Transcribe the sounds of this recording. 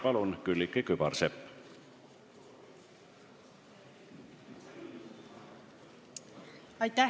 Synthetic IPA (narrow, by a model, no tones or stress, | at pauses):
pɑlunkylːikːˑekybɑrsepː | ɑjt̪æ